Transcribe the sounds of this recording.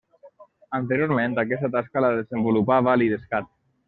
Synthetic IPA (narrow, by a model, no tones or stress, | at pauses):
ənt̪eɾjoɾmẽnt̪akɛst̪at̪askalaðezəmbulupaβaliðeskat̪̚